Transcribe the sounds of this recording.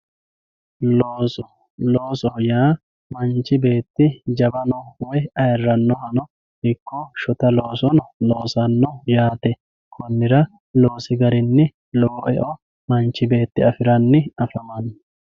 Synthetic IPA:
loːsɔ | loːsɔjaː | mɐnt͡ʃːɪbe̞ːt̪ːɪd͡ʒɐbɐnɔwɔjɐjɐrːɐnːɔhɐnɔ | ɪkːɔʃɔt̪ɐloːsɔnlo̞ːsɐnːɔjaːt̪ɛ | kʰɔnːɪɾɐ | lo̞ːsɪɡɐɾɪnːɪ | lɔːʔɛ̰ʔɔ | mɐnt͡ʃːɪbe̞ːt̪ːɪɐfɪɾɐnːɪɐfɐmɐn

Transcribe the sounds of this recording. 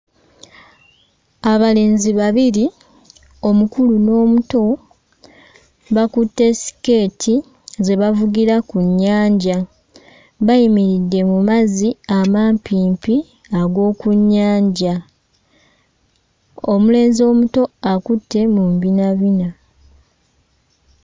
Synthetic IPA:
aβale̞ːnziβaβiɾi | o̞mukuluno̞ːmuto̞ | βakutːe̞si̥ke̞ːtʰi | ze̞βavuɡiɾakuɲːaːɲɟa | βajimiɾidːe̞mumaziamaːmpʰiːmpi | aɡo̞ːkuɲːaːɲɟa | o̞mule̞ːnzio̞ːmuto̞akutːe̞mumbinaβina

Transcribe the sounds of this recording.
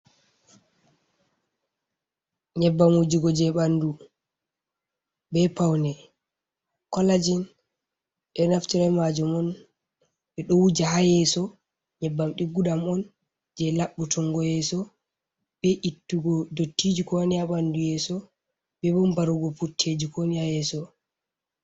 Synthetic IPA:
ɲɛbːamud͡ʒiɡɔd͡ʒɛɓandu | bɛpawnɛ | kɔlad͡ʒin | ɓɛnaftiɾamad͡ʒumɔn | ɓɛɗɔwud͡ʒahajɛsɔ | ɲɛbːamɗiɡuɗamɔn | d͡ʒɛlaɓːutʰɔŋɡɔjɛsɔ | bɛʔitːuɡɔdotːid͡ʒikɔniaɓandujɛsɔ | bɛbɔmbaɾuɡɔputʰːed͡ʒikonihajɛsɔ

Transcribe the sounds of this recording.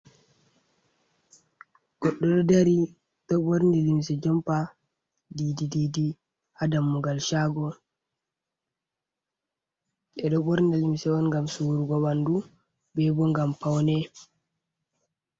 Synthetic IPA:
ɡ̥ɔɗːɔɗɔdaɾi | ɗ̥ɔboɾndilimsɛd͡ʒɔmpa | didididi | hadamːuɡalʃaːɡɔ | ʔɛɗɔboɾndilimsɛwɔnŋɡamsuwuɾɡɔbandu | bɛbɔŋɡampawnɛ

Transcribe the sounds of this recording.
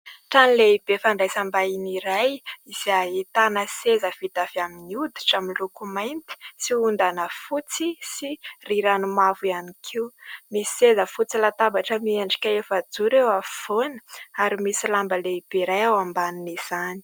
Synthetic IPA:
ʈ͡ʂanileibefaɳɖ͡ʐajsambainiɾajisiaɦit̪anəsezəfit̪afiaminiud̪iʈ͡ʂamilukumajnt̪i̥siund̪anəfut͡sisiriɾanumavujanikʰiwmisezəfut͡silat̪abaʈ͡ʂəmieɳɖ͡ʐi̥kʲaefəd͡zuɾewafonə̥aɾimisilambəleib̥eɾajawambaniniz̥ani̥

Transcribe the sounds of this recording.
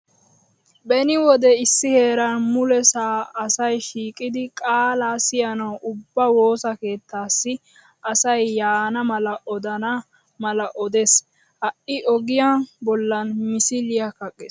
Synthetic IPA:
bɛnɪwɔd̪ɛɪsːɪhe̞ːɾɐnmʊlɛsaːɐsɐjʃiːkʼɪd̪ɪkʼaːlaːsɪjɐnɐwʔʊbːɐwo̞ːsɐke̞ːt̪ʰːaːsːɪ | ʔɐsɐjːaːnɐmɐlɐʔɔd̪ɐnɐ | mɐlɐʔɔd̪es | hɐʔɪʔɔɡɪjabɔlːɐnmɪsɪlɪjakɐkʼːɛs

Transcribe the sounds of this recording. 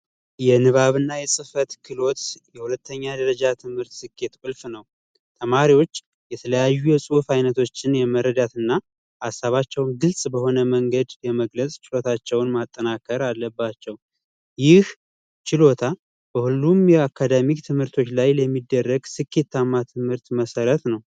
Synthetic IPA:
jɛnɨβaβɨnːajɛsʼɨfət̪kʰɨlo̞t̪jɛhulət̪ʰːəɲːad̪əɾəd͡ʒat̪ʰɨmhɨɾt̪sɨkʰːe̞t̪kʼɨlfnəw | t̪ʰəmaɾiwo̞t͡ʃː | jɛt̪ʰələjajːujɛsʼufajnət̪ʰo̞t͡ʃːɪnjɛməɾəd̪at̪ɨnːa | hasːaβat͡ʃːɛwnɡɨlsʼbəho̞nəməŋɡəd̪jɛməɡləsʼt͡ʃɪlo̞t̪ʰat͡ʃːɛwnmat̪ʼːənakʰəɾalːəbːat͡ʃːɛw | jɪh | t͡ʃɪlo̞t̪ʰa | b̥əhulːumjɛakʰːad̪amit̪ʰɨmhɨɾt̪ʰo̞t͡ʃːlajləmːid̪ːərːəɡsɨkːe̞t̪ʰːamːat̪ʰɨmhɨɾt̪məsəɾət̪nəw

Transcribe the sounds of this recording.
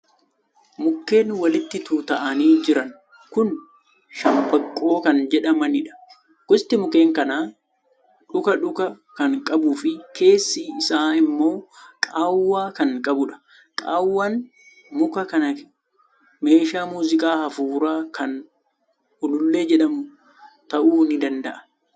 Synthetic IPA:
mʊkːe̞ːnwɐlɪt̪ːɪt̪uːt̪ɐʔɐniːd͡ʒɪɾɐn | kʊn | ʃɐmbɐkʼːo̞ːkɐnd͡ʒɛᶑɐmɐnɪᶑɐ̥ | ɡ̥ʊst̪ɪmʊke̞ːŋkɐnaː | ᶑʊkɐᶑʊkɐ | kɐŋkʼɐbuːfɪkʰe̞ːsːiɪsaːɪmːo̞ːkʼaːwːaːkɐŋkʼɐbʊᶑɐ̥ | kʼaːwːaːn | mʊkɐkɐnɐ | me̞ːʃaːmuːzɪkʼaːhɐfuːɾaːkʰɐn | ʊlʊlːe̞ːd͡ʒɛᶑɐmʊ | t̪ɐʔuːnɪd̪ɐnd̪ɐʔɐ̥

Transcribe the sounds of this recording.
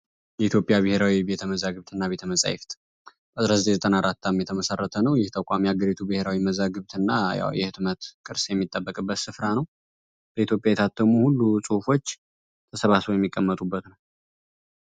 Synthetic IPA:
jɛit̪ʰjo̞pʼːjaβɨhe̞ɾawibe̞t̪ʰəməzaɡɨβt̪ʰɨnːaβe̞t̪ʰəməsʼa̰jɪ̰ft̪ʼ | bəɨzɾəzət̪ezət̪ʼənaɾat̪ʰːamjɛt̪ʰəməsərːət̪ʰənəwjɪht̪ʰəkʷʼamiaɡəɾit̪ʰubɨhe̞ɾawiməzaɡɨβt̪ʰɨnːaja̰wjɛhɨt̪mət̪kʼɨɾsjɛmːit̪ʼːəbːəkʼɨbːət̪sɨfɾanəw | b̥əit̪jo̞pʼjajɛt̪ʰat̪ʰːəmuhulːusʼɨhufo̞t͡ʃː | t̪ʰəsəβasojɛmːikʼːəmːət̪ʼubːət̪nəw

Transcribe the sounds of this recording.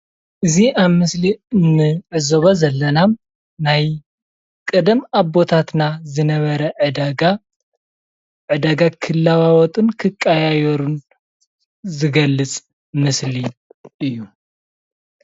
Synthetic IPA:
ʔɨziʔaβmɨsliɨnːɨʕɨzoβozɐlːɐnam | naj | kʼɨd̪ɨmaβbo̞t̪ʰat̪nazɨnɐβɐɾɐʕɨd̪aɡa | ʕɨd̪aɡakʰɨlːawawɔt̪ʼɨnkʰɨkʼːajajɛɾun | zɨɡɐlːɨt͡sʼ | mɨsliʔɨjːu

